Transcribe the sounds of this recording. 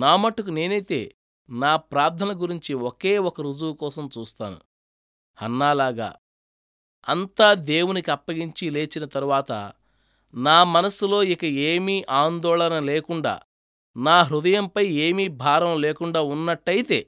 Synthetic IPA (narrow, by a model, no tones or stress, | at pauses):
naːmɐʈːukune̞ːnɐjt̪e̞̰ː | naːpɾaːɾt̪ʰɐnɐɡuɾiɲt͡ʃioke̞ːɔkɐɾud͡ʒuwukɔːsɐmt͡ʃuːst̪a̰ːnṵ | hɐnːaːlaːɡa̰ː | ɐnt̪aːd̪e̞ːwunikiɐpːɐɡiɲt͡ʃile̞ːt͡ʃinɐt̪ɐɾuʋaːt̪ɐ̰ | naːmɐnɐsulo̞ːikɐeːmiːʔaːnd̪ɔːɭɐnɐleːkuɳɖa̰ː | naːɦɾud̪ɐjɐmpɐjeːmiːbʱaːɾɐmleːkuɳɖaːunːɐʈːɐjit̪e̞̰ː